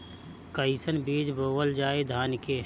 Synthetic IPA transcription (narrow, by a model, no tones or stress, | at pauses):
kəisənbiːd͡ʒboːʋəld͡ʒaːed̪ʱaːnke